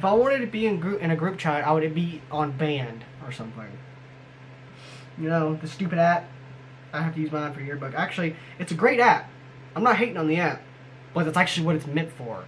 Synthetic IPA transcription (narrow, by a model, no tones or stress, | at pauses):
ɨfaɪwɑ̃ɾ̃ɨd̚ɨb̥iɨ̃nɡɹʉɨ̃ñɨɡɹʉp̚t͡ʃʰaɪɾaɪwɨɾɨb̥iʔə̃nbæ̃nd | ə˞sʌ̃mθɪ̰̃ŋ | jɨnoʊðɨstʉpɨɾæt̚ | aɪɦæftɨjʉzmaɪãɪ̃nfə˞jə˞bʊkæk̚t͡ʃʉl̩ˠi | ɨtsɨɡɹeɪɾæp̚ | ãɪ̃mnət̚ɦeɪɾɪ̃ŋə̃nðiæt̚ | b̥ʌt̪̚ðætsæk̚t͡ʃʉl̩ˠiwʌɾɨtsmɛ̃ntfə˞